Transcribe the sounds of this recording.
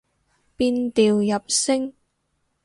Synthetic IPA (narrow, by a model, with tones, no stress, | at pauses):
piː˧nt̪iː˨wjɐ˨p̚sɪ˥ŋ